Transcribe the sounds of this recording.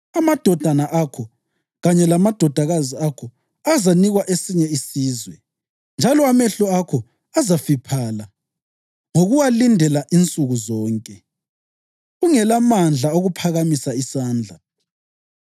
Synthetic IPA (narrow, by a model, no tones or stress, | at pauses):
amad̥ʱɔd̥ʱanaʔakʰɔ | ɣaɲɛlamad̥ʱɔd̥ʱaɣaziakʰɔ | azaniɣwaʔesiɲɛisiːzwɛ | nd͡ʒʱalɔamɛɬɔakʰɔ | azafipʰaːla | ŋoɣuwalindʱɛlaʔint͡sʼuɣuzɔːŋkʼɛ | ɣuŋɛlamand͡ɮʱaoɣupʰaɣamisaisaːnd͡ɮʱa